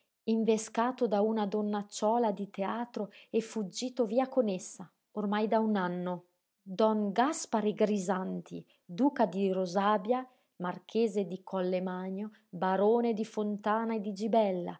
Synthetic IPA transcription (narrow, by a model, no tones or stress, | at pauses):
iɱveskaːt̪od̪aunad̪ɔnːat͡ʃːɔːlad̪it̪eaːt̪ɾoɛfːud͡ʒːiːt̪oviːakonesːa | ormajd̪aunanːo | d̪ɔŋɡaspaɾeɡɾizant̪ʰḭ | d̪uːkad̪iɾozaːbja | mark̟ʰeːzed̪ikʰɔlːemaɲo | baɾoːned̪ifont̪aːnaed̪id͡ʒibɛlːa̰